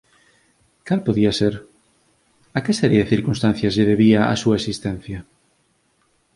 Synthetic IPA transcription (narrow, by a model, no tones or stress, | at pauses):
kalpoðiaseɾ | akesɛɾjeðeθiɾkunst̪an̟θjɐzʎeðeβiaa̰suaesist̪ɛn̟θjɐ